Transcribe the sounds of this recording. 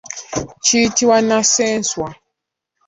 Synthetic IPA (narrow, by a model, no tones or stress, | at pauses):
t͡ʃiːtiwanasɛnswa